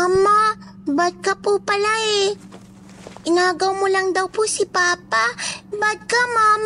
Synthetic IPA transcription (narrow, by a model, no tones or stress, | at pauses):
mama | bad̪̚kɐpupɐlaɛ | ʔɪnaːɡɐwmolɐŋd̪ɐwposɪpaːpabad̪̚kamaːm